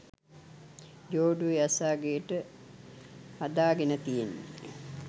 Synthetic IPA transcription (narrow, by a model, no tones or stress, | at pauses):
d͡ʒoːɖuejasaːɡejəʈə | had̪aːɡenət̪ijenːe